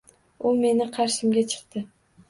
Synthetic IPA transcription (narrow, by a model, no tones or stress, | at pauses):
ʊme̞nɪqʰɑɾʃɪmɡʲat͡ʃʰɨ̥q̚t̪ɪ